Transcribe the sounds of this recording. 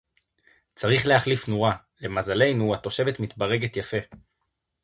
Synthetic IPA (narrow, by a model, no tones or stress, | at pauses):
t͡saʁiχleaχlifnuʁa | le̞mazale̞jnuato̞ʃe̞ve̞tmit̪baʁe̞ɡe̞tjafe̞